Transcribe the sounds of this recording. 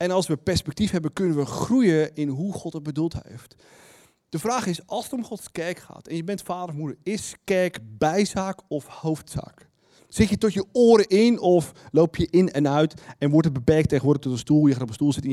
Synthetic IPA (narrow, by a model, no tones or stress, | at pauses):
ɛnɑlˠsʋəpɛɹspɛk̚tifɦɛbəkɵnənʋəχrujəɪnɦuχɔtət̚bədulˠtɦḛjft | d̥əvraːχɪsɑlˠsətomχɔtskɛrkχa̰ːtɛnjəbɛntfaːdərɔfmudəɹɪskɛɹkbɛjzaːkɔfhowftsa̰ːk | sɪtjətɔtjəʊːɾəʔɪnɔflowpʰjəʔɪnɛnœɥtɛnʋɔɹtət̚bəpɛɹk̚tejəʋʊːɹdəχtɔtənstulˠjəaːtɔpənstulˠzɪtɪ̃